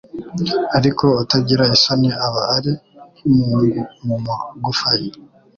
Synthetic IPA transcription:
aɾikoːtaɟiɾaisaniaβaːɾekimuuɡumumaɡufaji

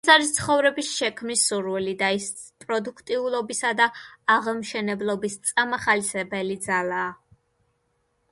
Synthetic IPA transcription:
saɾist̪sʰχɔvɾɛbisʃɛkʰmnisuɾwɛlid̪ais | pʼɾɔd̪ukʰt̪ʼiulˠɔbisad̪aaʁmʃɛnɛblˠɔbist̪sʼamaχalisɛbɛlid̪zalˠaː

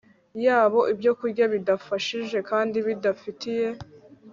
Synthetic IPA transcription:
jaːβo̞ʔibjo̞kuɾɟaβidafaʃiʒe̞kaːndiβidafitije̞

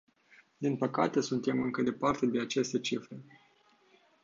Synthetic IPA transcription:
d̪inpəka̰t̪e̞sunt̪e̞mɨŋkəd̪e̞part̪e̞d̪eat͡ʃe̞st̪e̞t͡ʃifɾe̞

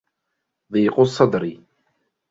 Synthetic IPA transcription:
ðˤiːqʊsˤːɑd̪ɾɪ

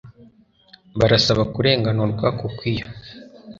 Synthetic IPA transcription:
βaɾasaβakuɾe̞ːŋɡanuɾɡwakukwiːjo

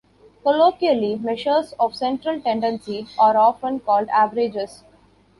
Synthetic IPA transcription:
koloːkiəlimɛʃəɾsɔːʋsɛ̃ɳʈɾəlʈẽɳɖə̃nsiaːɾɔːfə̃nkɔːlɖæːʋəɾɪd͡ʒes

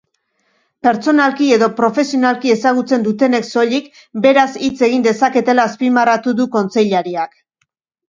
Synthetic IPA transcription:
pe̞ɾt͡so̞nalkie̞ðo̞pɾo̞fe̞sio̞nalkie̞saɣ̞ut͡se̞nd̪ut̪e̞ne̞kso̞ʎik | be̞ɾasit͡se̞ɣ̞ind̪e̞sake̞t̪e̞laːspimarat̪uðuko̞nt͡se̞jʎaɾiak

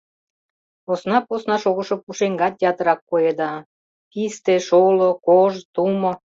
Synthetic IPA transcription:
osnɑposnɑʃoɣə̆ʃŏpuʃeŋɡɑt̪ʲːeɑt̪əɾɑkːojed̪ɑ | kist̪eʃolokoʒt̪umŏ

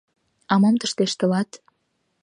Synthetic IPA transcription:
ɑmɑmt̪əʃt̪eʃt̪ə̆lɑt̪

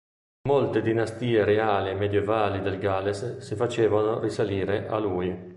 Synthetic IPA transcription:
molt̪ed̪inast̪iːeɾeaːliemːed̪jevaːlid̪elɡalessifat͡ʃeːvanorisaliːɾeʔa̰luj

